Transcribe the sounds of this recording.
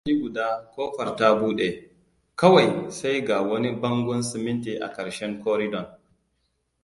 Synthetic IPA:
d͡ʒi˦ɡu˨da˦koː˦fɐ˨ɾta˦bu˦ɗe˨ | kɐ˦wa˨jsa˦jɡa˨wɐ˦ni˦bɐ˦ŋɡɔ˦nsi˨mi˦nti˨ʔa̰˨kɐ˨ɾʃɛ˦ŋkɔː˦ɾi˦dɔ˨n

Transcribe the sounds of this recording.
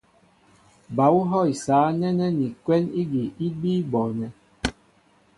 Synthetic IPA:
ba˨˦wu˦ɦɔ˦˨i˨saː˨˦nɛ˦nɛ˦ni˨kwɛ˦ni˦ɡi˨ʔi˦bi˦bɔ˨nɛ˨

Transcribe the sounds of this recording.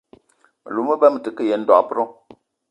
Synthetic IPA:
lu˨˦mə˦bɛ˦m˨tɨ˨kɨ˦je˨˦n̩˦dɔ̰˨ʔpɨ˦ɾɔ˦

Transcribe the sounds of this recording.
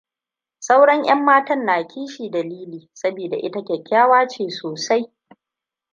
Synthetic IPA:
sa˦wɽɐ˦ŋʔɐ˦mːaː˦tɐ˦nːaː˨kʲʰiː˦ʃiː˨dɐ˨liː˦liː˨sɐ˦biː˨da̰˨ʔɪ˦ta˦kʲɐ˨kʲːaː˦waː˦t͡ʃeː˨soː˨sa˦j

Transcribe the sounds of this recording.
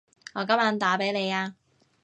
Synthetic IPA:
ŋɔː˨˧kɐ˥mjɐ˨˧nt̪aː˨˥pe˨˥jle˨˧jaː˧

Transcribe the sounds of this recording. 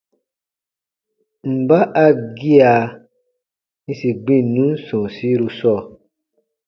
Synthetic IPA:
m̩˨ba˦ʔa˧ɡi˦a˧˨ | nĩ˧si˨ɡ͡bĩ˦˨nũ˨˦n̩˦sɔ̃˨si˨˦ɾu˧sɔ˦˨

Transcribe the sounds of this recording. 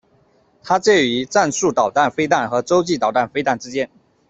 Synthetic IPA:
t̪ʰa˥t͡ɕjɛ˥˩y˧˥t͡sa˥˧nsu˥˩t̪ɑ˨˩ʊt̪a˥˩nfe˥ɪt̪a˥˩nxɤ˨˧˥t͡so˥ʊt͡ɕi˥˨˩t̪ɑ˨˩ʊt̪a˥˩nfe˥ɪt̪a˥˩nʈ͡ʂ̩˥t͡ɕjɛ˥n

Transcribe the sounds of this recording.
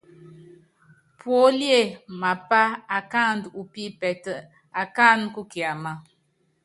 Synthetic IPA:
pwo˦lje˦˨ma˨pa˦a˨ka˦n˨du˨pi˦pɛ˨tə˨ | a˨ka˦˨nku˦ki˨a˨ma˨

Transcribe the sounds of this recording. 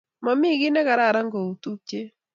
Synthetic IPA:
ma˨mi˦ɡi˦nɛ˦ka˨ɾa˦˨ɾa˦ŋɡo˨u˨t̪u˦ke˦

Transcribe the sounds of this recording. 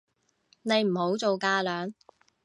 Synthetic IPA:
ne˨˧jm̩˨˩ho˨˧˥wt͡so˨wkaː˧lœː˨ŋ

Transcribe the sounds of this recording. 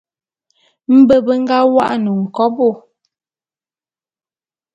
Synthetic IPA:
m̩˦bə˦bə˦ŋ̩˦ɡa˦wa˦ʔnu˨ŋ̩˨kɔ˦bo˦˨

